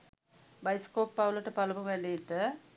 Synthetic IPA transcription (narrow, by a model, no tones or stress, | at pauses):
bajskoːpːawləʈəpaləmuʋɛliʈə